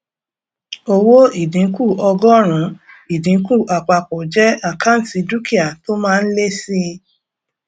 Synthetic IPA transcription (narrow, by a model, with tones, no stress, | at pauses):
o˧wo˦i˦˨dĩ˨˦ku˦˨ɔ˧ɡɔ˦˨ɾ̃ũ˨˦ | i˨dĩ˨˦ku˦˨ʔa˨k͡pa˧˨k͡po˨d͡ʒɛ˦a˦˨ka˦n̩˨si˨˧du˦ki˦a˨to˦mãː˦˧n̩˦le˦si˦